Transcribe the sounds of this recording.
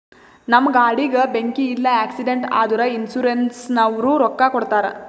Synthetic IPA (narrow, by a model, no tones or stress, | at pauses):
nɐmːɐɡaːɽiɡebeŋkiːlːɐæːksiɖeɳʈa̰ːd̪uɾɐinsuɾensnɐʋɾuːɾɔkːakɔɽt̪aːɾe